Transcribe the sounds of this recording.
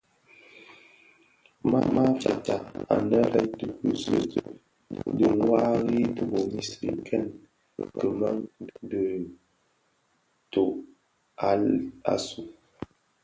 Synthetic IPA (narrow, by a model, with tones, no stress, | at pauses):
ma̰˦ma˦fa̰˨ta˨a̰˨nə˦ɾɛ˦də˨ku˨zə˦ | də˨ŋwa˦ɣi˦tu˨bo˨mi˨sɾḭ˨kʰɛ˦˨n | kə˨ma˦ŋdə˨ | to˨ | a˨a̰˨su˨